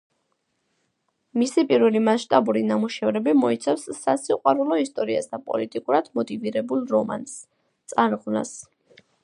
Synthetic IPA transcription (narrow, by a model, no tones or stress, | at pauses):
misipʼiɾvɛlimasʃt̪ʼabuɾinamuʃɛvɾɛbimɔit̪sʰafsːasiqʼwaɾulˠɔist̪ʼɔɾia̰sd̪apʼɔ̰lit̪ʼikʼuɾad̪̥mɔt̪ʼiviɾɛbulˠɾɔma̰ns | t̪sʼaɾʁvna̰s